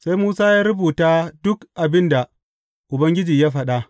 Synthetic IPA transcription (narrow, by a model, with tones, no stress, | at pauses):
sa˦jmuː˦saː˦jaː˦ɾʊ˦buː˨taː˦dʊ˦kʔa˨bɪ˦nda˨ | ʔʊ˨bɐ˦ŋɡʲɪ˦d͡ʒiː˨jaː˦ɸɐ˨ɗa˦ʔ